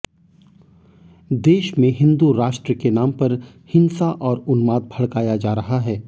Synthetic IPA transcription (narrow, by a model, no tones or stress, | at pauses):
d̪eːʃmẽɦɪ̃nd̪uɾaːʃʈɾəkenaːmpɐɾ | hɪ̃nsaʔɔːɾʊnmaːd̪̚bʱɐɭkaːjad͡ʒaːɾɐɦaɦɛː